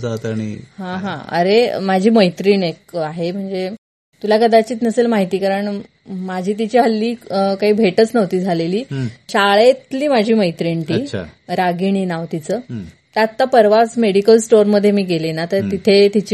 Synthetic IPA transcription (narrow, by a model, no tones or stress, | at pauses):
d͡zat̪aɽ̃ḭɦãɦãə̰ɾḛmad͡ʑʱiːməjt̪ɾiːnek̚aɦem̤əɳd͡ze | t̪ulakəd̪at͡ɕiːt̪nəselmaɦit̪iːkaɾəɳ | mad͡ʑʱiːt̪̬it͡ɕiɦəlːiːkaɦiːbʱeʈət͡snəʋt̪iːd͡zʱaleliːɕaɭet̪liːmad͡ʑʱiːməjt̪ɾiɳʈḭːɾaɡiɳ̃iːnaʋt̪it͡səː | t̪at̪ːapəɾʋasmeɽikəlsʈoɾməd̪ʱjemiːɡelenat̪əɾt̪it̪ʰet̪it͡ɕi